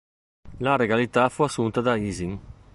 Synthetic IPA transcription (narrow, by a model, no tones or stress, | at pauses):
laɾeɡalit̪afuasunt̪ad̪aiːziŋ